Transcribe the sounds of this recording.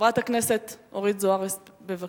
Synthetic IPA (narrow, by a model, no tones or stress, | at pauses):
ʁataknese̞toʁidzoaʁesbeva